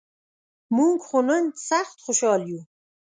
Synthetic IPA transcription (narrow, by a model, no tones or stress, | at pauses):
muŋɡχonənsaχt̪χoʃɑːlju